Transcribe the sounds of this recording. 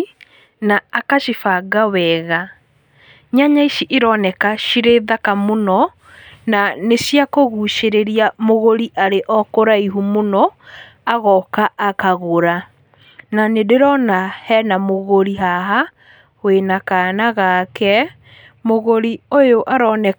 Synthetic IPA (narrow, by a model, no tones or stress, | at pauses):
naːkaʃifaɡawɛɣa | ɲaɲaiʃiʔeɾɔnɛkaʃiɾeðakamonɔ | nanesiakoɣuʃeɾeɾiamoɣoɾiʔaɾeʔɔkoɾaiɦumonɔ | aɣɔkaʔakaɣoɾa | nanedeɾɔnahɛnamoɣoɾiɦaɦa | wenakanaɣakɛ | moɣoɾiojoʔaɾɔnɛ